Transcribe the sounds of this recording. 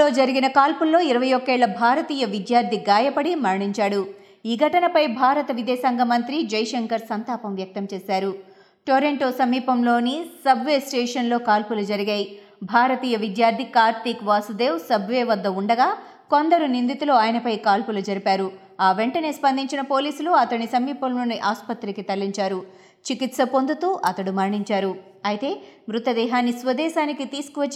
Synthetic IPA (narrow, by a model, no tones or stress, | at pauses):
oːd͡ʒɐɾiɡinɐkaːlpulːo̞ːiɾɐʋɐjokːeːɭːɐbʱaːɾɐt̪iːjɐʋid̪jaːɾd̪ʱiɡaːjɐpɐɽimɐɾɐɳiɲt͡ʃaːɽu | iːɡʱɐʈɐnɐpɐjbʱaːɾɐt̪ɐʋid̪ɛːsɐŋɡɐmɐnt̪ɾid͡ʒɐjʂɐŋkɐɾsɐnt̪aːpɐmʋjɐk̚t̪ɐmt͡ʃeːsaːɾu | ʈoːɾeɳʈo̞ːsɐmiːpɐmlo̞ːnisɐbʱʋe̞ːsʈeːʂɐnlo̞ːkaːlpulud͡ʒɐɾiɡɐj | bʱaːɾɐt̪iːjɐʋid̪jaːɾd̪ʱikaːɾt̪ikʋaːsud̪e̞ːwsɐbʋeːʋɐd̪ːɐuɳɖɐɡaː | ko̞nd̪ɐɾunind̪it̪uloːaːjɐnɐpɐjkaːlpulud͡ʒɐɾipaːɾu | aːʋeɳʈɐne̞ːspɐnd̪iɲt͡ʃinɐpo̞ːliːsuluɐt̪ɐɳisɐmiːpɐmlo̞ːniʔaːspɐt̪ɾikit̪ɐlːiɲt͡ʃaːɾu | t͡ʃikit̪sɐpond̪ut̪uːʔɐt̪ɐɽumɐɾɳiɲt͡ʃaːɾu | ɐjit̪e̞ːmɾut̪ɐd̪ɛːɦaːnisʋɐd̪ɛːʃaːnikit̪iːsu̥kuʋɐt͡ʃː